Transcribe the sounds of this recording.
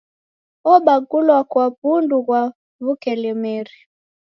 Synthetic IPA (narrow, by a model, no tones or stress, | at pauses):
ɔɓaɡulwakwapunduɣwa | βukɛlɛmɛɾi